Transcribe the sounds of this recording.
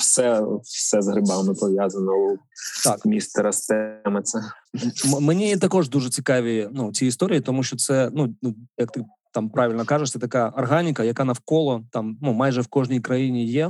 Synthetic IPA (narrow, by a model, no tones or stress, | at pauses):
wsɛwsɛzɦɾɪbamɪpɔʋʲjazɐnɔɔt̪ɑkmʲist̪ɐɾɐst̪ɛmɐt̪sɛ | mmenʲit̪ɐkɔʐd̪uʐɛt͡sʲikɑʋʲinut͡sʲiɪst̪oɾʲɪit̪ɔmuʃʲt͡ʃɔt̪sɛnunujɐk̚t̪ɪ | t̪ɑmpɾaʋʲɪlʲnɔkaʒɛʂtsʲɛt̪ɐkaɐrɦanʲɪkɐjɐkanɐwkɔlˠɔt̪ɑmnumɑjʐɛwkɔʐnʲijkɾɐjinʲijɛ